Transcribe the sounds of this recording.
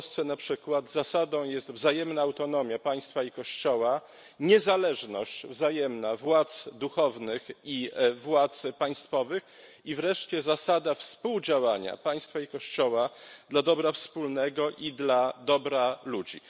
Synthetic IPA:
st̪sɛnapʂɘkwad̪zasad̪ɔ̃w̃jɛst̪vzajɛmnaːwt̪ɔn̪ɔmʲjapaj̃st̪faikɔɕt͡ɕɔwa | ɲɛzalɛʐnɔ̰ɕt͡ɕvzajɛmnavwat̪sd̪uxɔvnɘxivwat̪spaj̃st̪fɔvɘx | ivɾɛʂt͡ɕɛzasad̪afspuwd͡ʑawaɲa̰paj̃st̪faikɔɕt͡ɕɔwad̪lad̪ɔbɾafspulnɛɡɔʔid̪lad̪ɔbɾalud͡ʑḭ

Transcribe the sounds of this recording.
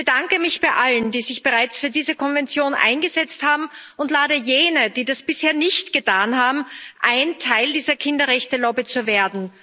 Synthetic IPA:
b̥əd̥aŋkəmɪçb̥aɪʔaləndiːzɪçb̥əʁaɪt͡sfyːɐdiːzəkʰɔnvɛnt͡sjoːnʔa̰ɪnɡəzɛt͡sthaːbm̩ʊntlaːɾəjeːnəd̥iːdasb̥ɪsheːɐnɪçtɡ̥ətʰaːnhaːbm̩ʔaɪntʰaɪldiːzɐkʰɪndɐʁɛçtəlɔbit͡suveːɐdn̩

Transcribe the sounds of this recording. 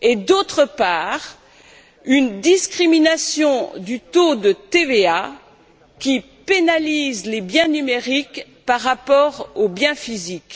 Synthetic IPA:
ed̪ot̪χəpaːʁ | ynd̪iskχiminasjɔ̃d̪yt̪od̪ət̪evea | kʲi | penalizlebjɛ̃nymeʁik | paʁːapɔʁobjɛ̃fizik

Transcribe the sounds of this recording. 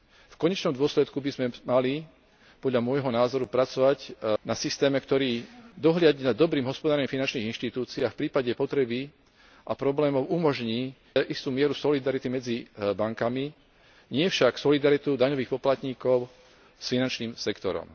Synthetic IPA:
fkɔɲɛt͡ʃnɔmd̪ʊɔslɛt̪kubizmɛmali | pɔd̪ʎamʊɔjɦɔnaːzɔɾupɾat͡sɔʋaɟnasist̪ɛːmɛkt̪ɔɾiːd̪ɔɦlɪaɟinad̪ɔbɾiːmɦɔspɔd̪aːɾimfinant͡ʃniːɣinʃt̪it̪uːt͡siːafpɾiːpaɟɛpɔt̪ɾɛbi | ʔapɾɔblɛːmɔʊʔumɔʒɲiː | ʔist̪uːmɪɛɾusɔlid̪aɾit̪imɛd͡zibaŋkami | ɲɪɛfʃaksɔlid̪aɾit̪ud̪aɲɔʋiːxpɔplat̪ɲiːkɔʊ | sfinant͡ʃniːmsɛkt̪ɔ̰ɾɔ̰m

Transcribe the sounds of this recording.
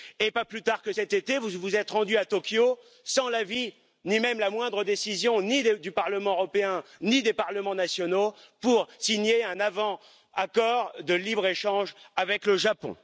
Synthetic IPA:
epaplyt̪aʁkəsɛt̪et̪evuvuzɛt̪ʁɑ̃d̪yat̪ɔkʲjo | sɑ̃lavi | nimɛmlamwɛ̃d̪ʁəd̪esizjɔ̃nid̪d̪ypaʁləmɑ̃øʁɔpeɛ̃nid̪epaʁləmɑ̃nasjɔnopuʁsiɲjeɛ̃navɑ̃ | akɔʁd̪əlibʁeʃɑ̃ʒavɛkləʒapɔ̰̃

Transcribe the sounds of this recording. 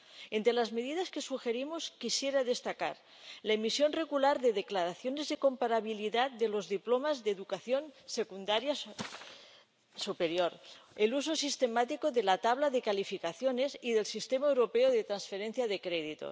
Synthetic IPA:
ent̪ɾelazme̞ð̞iðaskesuxeɾimoskisjeɾaðe̞st̪aka̰ɾ | laemisjo̞nre̞ɣulaɾðeðeklaɾaθjonezðeko̞mpaɾaβ̞iliðat̪̚d̪elo̞zðiplomazðeðukaθjonsekund̪aɾja | supeɾjoɾelus̬o̞sist̪emat̪ikoðelat̪aβlaðekalifikaθjone̞siðe̞lsist̪emaewɾopeoðet̪ɾansfeɾenθjaðekɾeðit̪o̰

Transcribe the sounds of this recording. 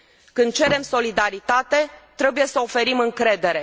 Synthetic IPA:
kɨnd̪̚t͡ʃe̞ɾe̞mso̞lid̪aɾit̪at̪e̞t̪ɾe̞buje̞səofe̞ɾimɨŋkɾe̞d̪e̞ɾe̞

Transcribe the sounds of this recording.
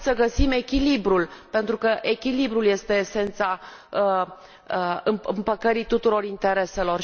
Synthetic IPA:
səɡəsime̞kʲilibɾulpe̞nt̪ɾukəʔe̞kʲilibɾulje̞st̪e̞ːse̞nt̪sa | əɨmmpəkəɾit̪ut̪uɾo̞rint̪e̞ɾe̞selo̞r

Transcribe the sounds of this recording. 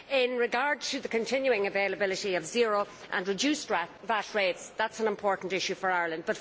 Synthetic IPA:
ɪ̃nɹɪɡaɹd̚tʰɨðəkʰə̃ntʰɪ̃njuɪ̃ŋəveɪləbɪlɪɾiʌvzɪɹoʊ | ʔə̰̃nɹɨd͡ʒʉst | vatɹeɪtsðætsə̃nɪ̃mpʰɔːɹʔn̩tɪʃʉfə˞aɪə˞lə̃nd̚bʌt

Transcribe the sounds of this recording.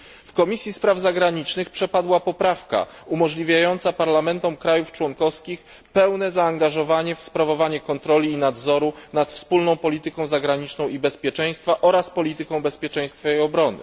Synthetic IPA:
fkɔmʲisʲjispɾavzaɡɾaɲit͡ʂnɘxpʂɛpad̪wapɔpɾafka̰ | umɔʐlʲivʲjajɔnt̪sapaɾlamɛnt̪ɔmkɾajuft͡ʂwɔŋkɔfskʲix | pɛwnɛzaːŋɡaʐɔvaɲɛfspɾavɔvaɲɛkɔnt̪ɾɔlʲiːnad̪zɔɾunat̪fspulnɔ̃w̃pɔlʲit̪ɘkɔ̃w̃zaɡɾaɲit͡ʂnɔ̃w̃ibɛspʲjɛt͡ʂɛj̃st̪faʔɔɾaspɔlʲit̪ɘkɔ̃w̃bɛspʲjɛt͡ʂɛ̃j̃st̪faɛɔbɾɔnɘ̰

